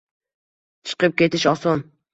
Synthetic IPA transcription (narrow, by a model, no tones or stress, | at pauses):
t͡ʃʰɨ̥qəp̚kʲet̪ɪʃɑson